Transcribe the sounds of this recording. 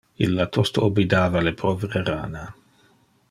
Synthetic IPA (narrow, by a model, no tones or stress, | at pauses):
ḭlːat̪ost̪oobid̪aːvalepɾɔvɾeɾa̰ːna